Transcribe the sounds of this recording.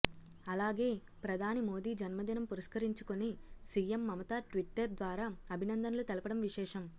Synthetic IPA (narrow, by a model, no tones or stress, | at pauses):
ɐlaːɡe̞ː | pɾɐd̪ʱaːnimo̞ːd̪iːd͡ʒɐnmɐd̪inɐmpuɾɐʃkɐɾiɲt͡ʃukonisiːemːɐmɐt̪aːʈʋiʈːɐɾd̪ʋaːɾaːɐbʱinɐnd̪ʱɐnɐlut̪ɐlɐpɐɽɐmʋiʃɛːʂɐm